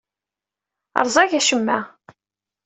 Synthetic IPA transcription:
ə̰ɾˤzˤɑʝæʃəmːæ

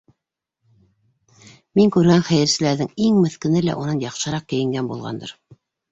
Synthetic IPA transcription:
miŋkʉɾænχæjɘ̆ɾsɘ̆læɾðɘŋiŋmɘ̆θkɘ̆nɘlæ̰ʔunɤnjɑqʃɤ̆ɾɑq̚kɘ̆jɘ̆ŋɡænbulˠʁɑ̰nd̪ɤ̰ɾ

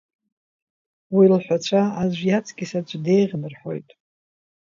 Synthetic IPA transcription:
wilħʷat͡ɕʷʰaazʷjat͡sʰɡʲisad͡ʒʷʼde̞jʁʲnɨrħo̞jtʼ

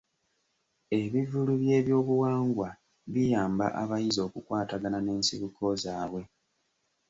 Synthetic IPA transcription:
e̞βivuluβje̞ːβjoːβuwaːŋɡwa | βijaːmba̰ʔaβajizo̞ːkukwaːtaɡanane̞ːnsḭβukʰo̞zaːβwe̞

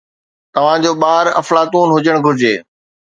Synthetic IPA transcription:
t̪ɐʋ̤ãːd͡ʑoːɓaːɾɐ̰flaːt̪uːnɦʊd͡ʑəɽ̃ɡʱʊɾɪd͡ʑeː

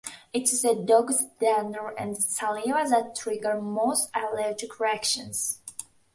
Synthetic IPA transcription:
ɪtɪzədɔɡzdɛnə˞ɨ̃nsalivaðətʰːɹɪɡə˞moʊstalɛɹd͡ʒɪkʰɹiækʃə̃nz̥

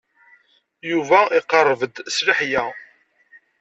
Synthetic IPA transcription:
juvæiqərˤːəvəd̪sliħjæ

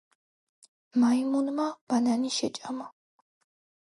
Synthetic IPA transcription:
maimunmab̥ananiʃɛt͡ʃʼama

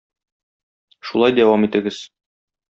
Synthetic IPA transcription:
ʃulˠɑjd̪æwɑmit̪ɘ̆ɡɘz̥

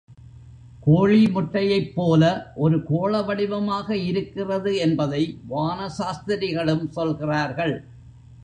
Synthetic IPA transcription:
koːɻimʊʈːɐjɐɪpːoːlɐʔɔɾɯkoːɭɐʋɐɽɪʋɐmaːɣɐɪɾɯkːɪrɐðɯɛnbɐðɐɪʋaːnɐsaːst̪ɪɾɪɣɐɭɯmsɔlɣɪraːɾɣɐɭ

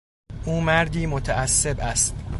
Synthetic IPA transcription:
ʔuːmæɾd̪iːmot̪ʰæʔæsːe̞bæst̪

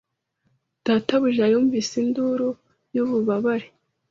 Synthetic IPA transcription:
d̥aːtaβuʒajoːɱviːsinduɾu | juβuβaβaɾe

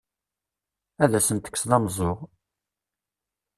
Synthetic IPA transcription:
æðæsənt̪ə̥kːsðɑmzˤoʁ

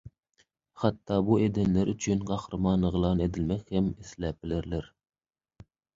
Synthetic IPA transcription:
χɑt̪ʰːɑːbued̪ɪnlɪɾyt͡ʃʰynqɑχɾɨmɑnəʁlˠɑned̪ɪlmɛkʲhɛmislɛpɪlɪɾlɪɾ

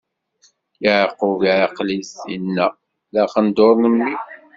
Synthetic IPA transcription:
jəʕqːʊviʕqlisinːæ | læqənd̪oɾˤnəmːi

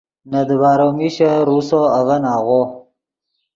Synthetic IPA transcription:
nad̪baːɾomiɕaɾusoaɣanaːɣo

